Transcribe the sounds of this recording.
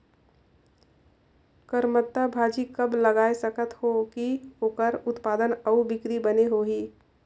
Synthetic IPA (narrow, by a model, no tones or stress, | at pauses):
kəɾmət̪ːabʱaːd͡ʒikɐbləɡaːesəkət̪hokioːkəɾʊt̪paːd̪ənəubɪkɾibəneɦoːɦiː